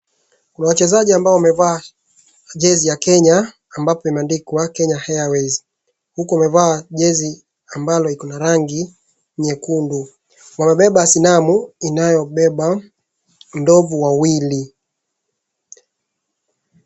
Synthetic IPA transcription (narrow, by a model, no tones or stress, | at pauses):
kunawat͡ʃɛzaʄiambaɔwamɛvaː | ʄɛzijakɛɲaː | mbapɔimɛandikwakɛɲahajawɛzi | hukuamɛvaːʄɛzi | ambalɔlikɔnaɾaŋɡi | ɲɛkundu | wamɛɓɛɓasinamuinajɔɓɛɓa | ndɔvuwawili